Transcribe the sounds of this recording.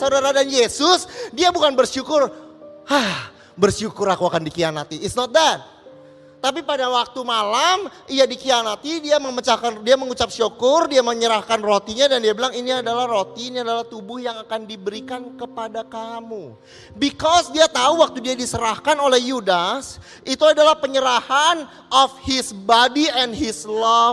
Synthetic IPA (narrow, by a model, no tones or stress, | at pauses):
saudaɾadanjesʊsdiabukanbərʃukʊrhah | bərʃukʊɾakuakandikianat̪iɪtsnɔt̪̚d̪ɛt̪̚ː | ap̬ipadawak̚t̪umalamijadikianat̪idiaməmət͡ʃakandiaməŋut͡ʃap̚ʃukʊrdiaməɲəɾahkanrot̪iɲadandiabilaŋiniadalahrot̪inadalaht̪ubʊhjaŋakandibəɾikankəpadakamu | bikɔsdiat̪auwak̚t̪udiadisəɾahkanolɛhjudas | it̪uadalahpəɲəɾahan | ʔɔfhɪsbadiɛnhɪsla